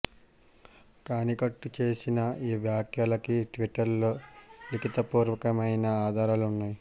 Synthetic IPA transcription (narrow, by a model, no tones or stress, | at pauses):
kaːnikɐʈːut͡ʃe̞ːsinɐiːʋjaːkjɐlɐkiʈʋiʈːɐɾloːlikit̪ɐpuːɾʋɐkɐmɐjnɐaːd̪ʱaːɾalunːaːji